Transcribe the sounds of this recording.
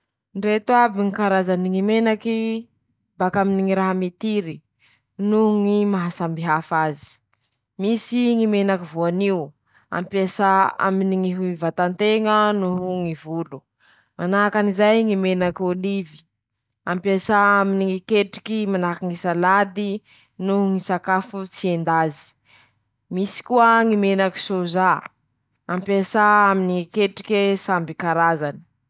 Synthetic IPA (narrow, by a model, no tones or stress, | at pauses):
ɳɖ͡ʐet̪uabiŋikaɾazaniŋimenaki | bakaminiŋiɾaɦamit̪iɾi | nuŋimaɦasambiɦafazi̥ | misiŋimenakivuaniu | a̰mpjesaa̰miniŋiɦuivat̪ant̪eŋənuŋivulu | manaɦkanizajŋimenakolivi̥ | ampesaaminiŋikeʈ͡ʂi̥kimanakiŋisalad̪i | nuŋisakafut͡siend̪azi̥ | misi̥kuəŋimenaki̥soza | ampesaaminiŋikeʈ͡ʂi̥kʲesambikaɾazani̥